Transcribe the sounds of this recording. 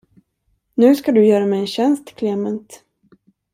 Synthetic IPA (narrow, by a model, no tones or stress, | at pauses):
nʉ̟ːskad̪ɵjœːɾamɛɛnɕɛnst̪kʰleːmənt̪